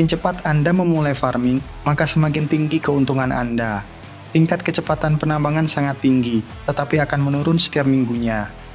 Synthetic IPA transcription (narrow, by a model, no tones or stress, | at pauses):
ɪnt͡ʃəpat̪andaməmulajfarmɪŋ | makasəmakɪnt̪iŋɡikəunt̪uŋana̰nda | t̪iŋkat̪̚kət͡ʃəpat̪anpənambaŋansaŋat̪ːiŋɡi | t̪ət̪apiakanmənuɾʊnsə̥t̪iap̚miŋɡuɲa